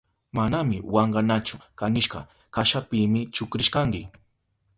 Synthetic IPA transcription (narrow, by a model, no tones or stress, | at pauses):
manamɪwaɴɢɑnat͡ʃʊkanɪʃɢɑ̰ | kaʃapɪːmɪt͡ʃʊkɾɪʃkaŋkɪ